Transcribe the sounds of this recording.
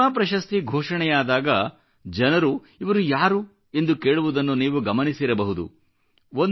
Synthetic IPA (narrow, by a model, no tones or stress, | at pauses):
aːpɾɐʃɐst̪iɡʱoːʂɐɳɛjaːd̪aːɡɐ | d͡ʒɐnɐɾu | iʋɐɾujaːɾu | e̞nd̪uke̞ːɭuʋud̪ɐnːuniːʋuɡɐmɐnisiɾɐbɐɦud̪ṵ | on